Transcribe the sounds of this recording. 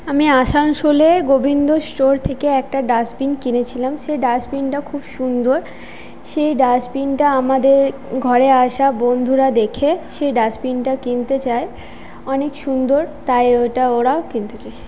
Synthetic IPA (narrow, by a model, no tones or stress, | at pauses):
amiaʃanʃoleɡobind̪osʈoɾt̪ʰekeɛk̚ʈaɖasbinkinet͡ɕʰilamʃeɖasbinʈakʰubʃund̪oɾ | ʃejɖasbinʈaamad̪eɾ | ɡʱɔɾeaʃabond̪ʱuɾad̪ekʰeʃejɖasbinʈakint̪et͡ɕae | ɔnekʃund̪oɾt̪ajoʈaoɾaokint̪et͡ɕae